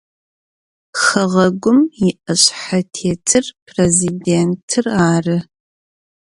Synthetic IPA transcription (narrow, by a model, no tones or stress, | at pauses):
xɐʁɐɡʷʊmjɪʔɐɕʼħatʰeːtʰɨrpʰrezideːntʰɨraːrɨ